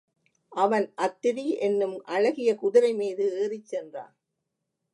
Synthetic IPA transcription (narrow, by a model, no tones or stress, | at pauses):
ʔɐʋɐnʔɐt̪ːɪɾiʔɛnːɯmʔɐɻɐɣɪjɐkʊðɪɾɐɪmiːðɯeːrɪt͡ʃːɛndra̰ːn